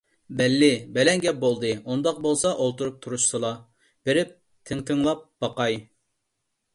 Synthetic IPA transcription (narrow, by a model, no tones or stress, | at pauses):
bɛlːɪbɛlɛŋɡʲɛp̚bolˠd̪ɨund̪ɑq̚bolˠsɑʔolˠt̪ʰuɾup̚t̪ʰuɾuʃsɨlˠɑ | b̥eɾɪp̚ | t̪ʰɪŋt̪ʰɨŋlˠɑp̚b̥ɑqɑj